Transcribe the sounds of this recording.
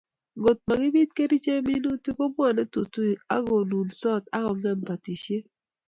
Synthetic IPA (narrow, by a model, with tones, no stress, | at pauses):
ŋo˨t̚ma˨ɡɪ˦bi˦t̚ke˦ɾi˦t͡ʃe˦mi˦no˦tu˦ko˦mwɔ˨nɛ˦tu˨tu˦i˨a̰˦ɡo˨nu˨nsɔ˦ta˦kɔ˨ŋa˦npa˨ti˨ʃe˦